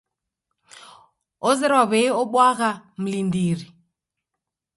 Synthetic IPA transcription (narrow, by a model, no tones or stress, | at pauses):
ɔzɛɾwaβɛiɔɓwaɣam̩lindiːri